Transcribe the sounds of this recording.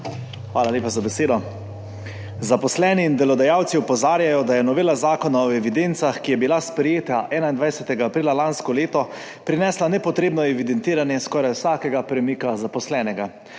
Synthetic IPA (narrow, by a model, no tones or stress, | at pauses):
xʋaːlaleːpazabɛseːd̪ɔ | zapɔslɛːniːnd̪ɛlɔd̪ajawt̪siɔpɔzaːɾjajɔd̪ajɛnɔʋeːlazaːkɔnaɔɛʋid̪ent̪saxkijɛbilaspɾɛjeːt̪aʔɛːnaind̪ʋajsɛt̪ɛɡaːpɾiːlalanskɔleːt̪ɔ | pɾinɛːslanɛpɔt̪ɾeːbnɔɛʋid̪ɛnt̪iːɾanjɛskɔːɾajwsaːkɛɡapɾɛmikazapɔslɛːnɛɡa